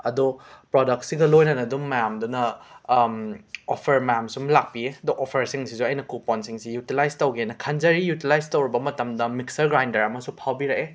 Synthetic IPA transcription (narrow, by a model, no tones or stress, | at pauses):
ɐ̰dupɾodɐk̚tsiɡɐlojnɐnɐdumːɐjamdunɐ | opʰɐɾmɐjamsumlak̚pieɐdɔʔɔpʰɐɾsiŋsisuɐjnɐkupɔnsiŋsijutilajstɐwɡiɐnɐkʰɐnzɐɾijutilajstɐwɾibɐmɐtɐmdɐmiksɐɾɡɾajndɐɾɐmɐsupʰawbiɾɐke